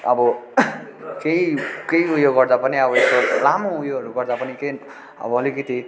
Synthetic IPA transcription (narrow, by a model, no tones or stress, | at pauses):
ʌbʌ | keikeiujoɡʌrd̪apʌniʌbʌest̪olamoɦujoɦʌɾuɡʌrd̪apʌnike | ʌ̰bʌʌlikʌt̪i